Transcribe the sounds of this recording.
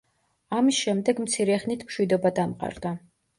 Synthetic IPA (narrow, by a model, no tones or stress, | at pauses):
amisʃɛmd̪ɛɡmt̪sʰiɾɛχnit̪ʰmʃwid̪ɔbad̪amqʼa̰ɾd̪a